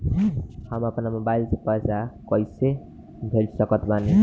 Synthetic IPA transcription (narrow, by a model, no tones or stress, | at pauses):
həməpnamobajlsepəjsakʌjse | bʱelsəkət̪bane